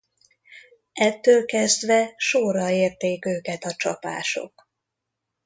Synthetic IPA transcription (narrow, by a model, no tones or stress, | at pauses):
ɛt̪ːøːlkɛzd̪ʋɛʃorːɒeːrt̪eːkøːkɛt̪ɒt͡ʃɒpa̰ːʃo̞̰k